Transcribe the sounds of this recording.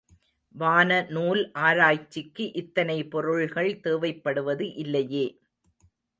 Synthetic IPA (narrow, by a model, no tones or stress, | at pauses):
ʋaːnɐnuːlʔaːɾaːjt͡ʃːɪkːɯʔɪt̪ːɐnɐɪpɔɾɯɻɣɐɭt̪eːʋɐɪpːɐɽɯʋɐðɯʔɪlːɐjeː